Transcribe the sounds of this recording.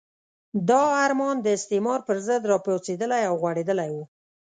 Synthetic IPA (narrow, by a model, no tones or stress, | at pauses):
d̪ɑaɾmɑnd̪əɪst̪emɑɾpəɾzəd̪ɾɑpot͡sed̪əlajawɣwaɽed̪əlajwu